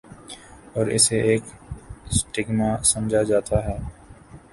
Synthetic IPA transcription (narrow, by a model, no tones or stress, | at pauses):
ɔːɾɪ̰seʔeːksʈɪɡmasɐmd͡ʒʱad͡ʒaːt̪aɦɛː